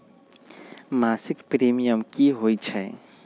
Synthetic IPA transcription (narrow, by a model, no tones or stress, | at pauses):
maːsɪkpɾimijəmkiɦoːjt͡ʃʰɛ